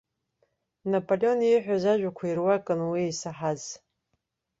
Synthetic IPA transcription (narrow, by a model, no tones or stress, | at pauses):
napʼoleo̞niħᶣʷazaʒʷᶣakʷʰairwakʼɨnwiejsaħaz